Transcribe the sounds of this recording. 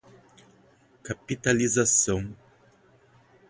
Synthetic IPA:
kapit̪alizasɐ̃w̃

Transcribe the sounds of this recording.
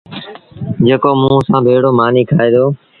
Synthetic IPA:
d͡ʒeːkoːmũːsãːbʱeːɽoːmaːniːkʰaːeːd̪oː

